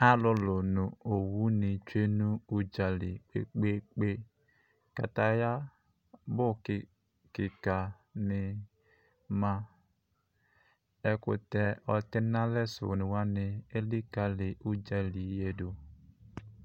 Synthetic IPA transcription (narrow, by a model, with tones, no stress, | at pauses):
a˦lʊ˦lo˨nu˨o˨wu˦ni˨t͡ʃe˦nu˦u˦d͡ʒa˨lḭ˨k͡pḛ˦k͡pe˦k͡pe˦ | ka̰˨ta˨ja˦ | bʊ˦k | kɪ˨ka˨ | nɪ˨ | ma˦ | e˦kʊ̰˨tɛ˦ɔ˨ti˦na˦le˦sṵ˨nu˨wa˦nɪ˨e˦li˦ka˨li˨ʔu˦d͡ʒa˦li˨˦je˦do˨